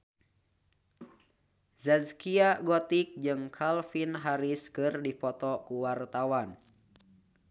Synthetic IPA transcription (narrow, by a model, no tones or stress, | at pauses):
zazkiaɡɔt̪ik̚d͡ʒɨŋkʰalfinɦaɾiskɨrdipɔt̪ɔkuwart̪awan